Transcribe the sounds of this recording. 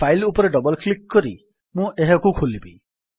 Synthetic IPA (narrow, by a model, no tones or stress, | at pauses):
ajlupɔɾeɖɔbɔlklikkɔɾi | mũʔeɦɔkukʰulibi